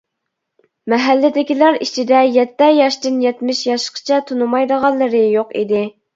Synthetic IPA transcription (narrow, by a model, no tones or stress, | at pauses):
mɛɦælːɪd̪ɪkʲilɑɾit͡ʃʰid̪ɛjɛt̪ːɛjɑʃt̪ɨnjɛt̪mɪʃjɑʃqʰə̥t͡ʃʰɛt̪ʰunumɑjd̪əʁɑnlˠːɨɾɨjoqḭd̪ɪ